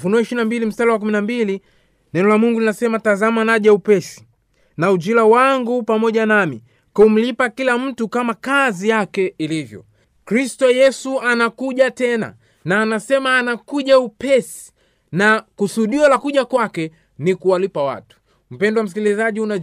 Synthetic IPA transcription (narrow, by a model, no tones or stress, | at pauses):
funuɛiʃiinambilim̩stalawak̬uminambili | nɛnɔlamuŋɡulinasɛmatazamanaʄaupɛsi̥ | naud͡ʒilawaŋɡupamɔʄanami | kum̩lipakilam̩tukamakazijakɛilivjɔ̰ | kɾistɔjɛsuanakuʄatɛna̰ | naːnasɛmaːnakuʄaupɛsi̥ | nakusuɗiɔlakuʄakwakɛ | nikuwalipawa̰tu̥ | m̩pɛndɔwam̩s̬ikilizaʄiuna